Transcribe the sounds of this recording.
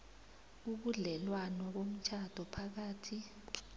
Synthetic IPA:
uɓuɮɛlwanɔɓom̩t͡ʃʰad̥ʱɔpʰak̬aːtʰi

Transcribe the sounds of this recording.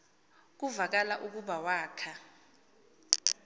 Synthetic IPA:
k̬uvak̬alaʔuk̬uɓawaːkʰa

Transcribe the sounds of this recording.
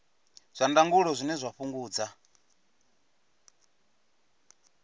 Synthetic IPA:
z̥ʷandaŋɡuɺɔzʷinɛzʷaɸuŋɡuːd͡za

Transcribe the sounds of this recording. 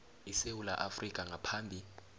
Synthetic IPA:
isewula̰ʔafrikʼaŋapʰaːmbʱi

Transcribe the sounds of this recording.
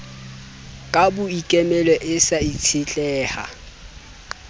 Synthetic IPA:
kʼabʊikʼɛmɛlɔʔɪsait͡sʰɪt͡ɬʼɛːha̰

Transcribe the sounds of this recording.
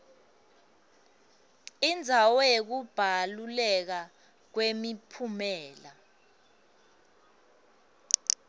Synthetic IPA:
ind͡zʱawɛk̬ub̥ʱalulɛk̬a | k̬wemipʰumɛːla

